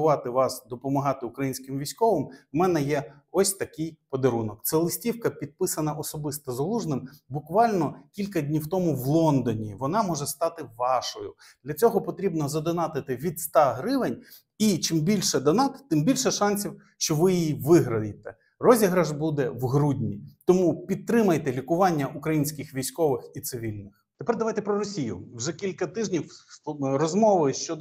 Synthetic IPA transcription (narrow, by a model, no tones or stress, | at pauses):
ʊʋɑt̪ɪʋɑsd̪ɔpɔmɐɦɑt̪ɪʊkɾɐjinʲsʲkɪmʋʲijsʲkɔʋɪmmɛnɛjɛ | ɔsʲt̪ɐkɪjpɔd̪ɐɾunɔk̚t̪sɛlˠɪsʲtʲiwkɐpʲid̪̚pɪsɐnɐʔɔsɔbɪst̪ɔzɐlˠuʒnɪmbʊkʋɑlʲnɔkʲilʲkɐd̪ʲnʲiwt̪ɔmʊʋlˠɔnd̪ɔnʲiʋɔnɑmɔʒɛst̪ɑt̪ɪʋɑʃɔjʊ̰ | d̪lʲɐt͡sʲɔɦɔpɔt̪ɾʲibnɔzɐd̪ɔnɑt̪ɪt̪ɪʋʲid̪st̪ɑɦɾɪʋenʲ | it͡ʃɪmbʲilʲʃɛd̪ɔnɑt̪t̪ɪmbʲilʲʃɛʃɑnʲsʲiw | ʃt͡ʃɔʋɪjjiʋɪɦɾɐjet̪ɛ | rɔzʲiɦɾɐʒbud̪ɛʋɦɾudʲnʲit̪ɔmupʲid̪̚t̪ɾɪmɐjt̪ɛlʲikʊʋɑnʲːɐʔukɾɐjinʲsʲkɪxʋʲijsʲkɔʋɪxit̪sɪʋʲilʲnɪxt̪epɛrd̪ɐʋɑjt̪ɛpɾɔɾɔsʲijʊ̰wʒɛkʲilʲkɐt̪ɪʒnʲiwɾɔzmɔʋɪʃt͡ʃɔd̪